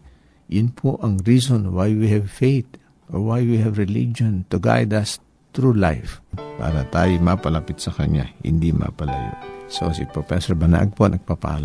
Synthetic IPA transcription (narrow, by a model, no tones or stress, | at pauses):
jʊnpʰoʔɐŋɹisonwajwihɛvfejt̪ | ʔoɹwajwihɛvɹɪlḭd͡ʒont̪ʊɡa̰jd̪ɐs | t̪ɾula̰jfpa̰ːɾɐt̪a̰ːjomapɐlɐpɪt̪̚sɐkɐɲa̰hɪ̰nd̪imʔa̰pɐlajo̰so̰sḭpofɛsɔɹbɐna̰ʔɐ̰ɡ̚ponɐɡ̚papa̰la